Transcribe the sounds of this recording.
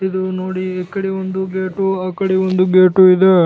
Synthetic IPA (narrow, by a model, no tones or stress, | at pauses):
id̪unoːɽiekːɐɽeʋond̪uɡeːʈuaːkɐɽiond̪uɡeːʈuid̪e